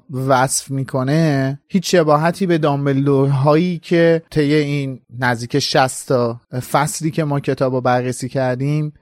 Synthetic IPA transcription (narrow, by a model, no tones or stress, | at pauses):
væsfmiːkʰo̞ne̞hiːt͡ʃʃe̞bɒːɦæt̪ʰiːbe̞d̪ɒːmelːoɾɦɒːjiːcʰe̞t̪ʰe̞jːe̞iːnːæzd̪iːcʰeʃæst̪ʰɒfæsliːcʰe̞mɒːcʰe̞t̪ʰɒːbobærːesiːcʰæɾd̪iːm